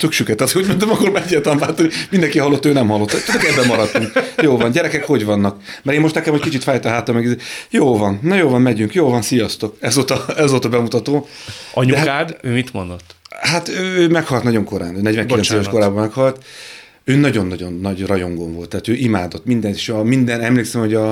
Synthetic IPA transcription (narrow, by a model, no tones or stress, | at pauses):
t̪ykʃykɛt̪ːɛt̪uɟmont̪ɛmɒkormaːɛɟːaːɾt̪lambaːt̪onimind̪ɛŋkiɦɒlːo̞t̪ːøːnɛmhɒlːot̪ːt̪ud̪okɛbːɛmːɒɾɒt̪ːuŋkjoːlvɒnɟɛɾɛkɛkho̞ɟvɒnːɒkmɛɾeːmːo̞ʃt̪nɛkɛmhockit͡ʃit̪faːjt̪ɒɦaːt̪ɒmːɛɡizeːjoːlvɒnnːɒjoːlvɒmmɛɟyŋkjoːlvɒnsijɒst̪o̞kɛzoːt̪ɒɛzoːt̪ɒbɛmut̪ɒt̪oːɒɲud̪ɛɦakaːd̪øːmit̪mo̰nd̪ot̪ːhat̪øːøːmɛkhɒlt̪nɒɟo̞ŋko̞ɾa̰ːnøːnɛɟvɛŋklɛnseːvɛʃoɾaːbɒmɛkhɒlt̪ | øːnɒɟo̞nːɒɟo̞nːɒɟrɒjo̞ŋɡoɱvo̞lt̪ːaːt̪øːʔimaːd̪ot̪ːmind̪ɛniʃɒmind̪ɛnɛmleːksɛmho̞ɟɒ